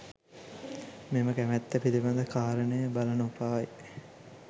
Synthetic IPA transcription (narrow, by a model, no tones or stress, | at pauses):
meməkæmæt̪ːəpiliband̪əkʰaːɾənəjəbalɐnupaʋɐj